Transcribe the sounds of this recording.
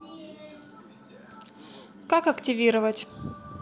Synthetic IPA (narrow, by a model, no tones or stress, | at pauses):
kakɐktʲɪvʲiɾəvətʲ